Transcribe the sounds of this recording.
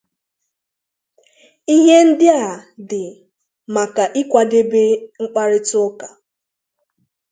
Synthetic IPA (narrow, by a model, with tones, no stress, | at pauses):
i˦ɦe˦n̩˦dɪ˦a˨dɪ˨ | ma˨ka˨ʔi˦kʷa˨de˦be˦ŋ͡m̩˦k͡pa˦ɾɪ˦tʊ˦ka˨